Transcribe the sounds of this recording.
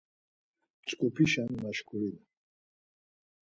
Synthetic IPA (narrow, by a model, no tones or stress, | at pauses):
t͡ʃʼkʼupʰiʃanmaʃkʰuɾila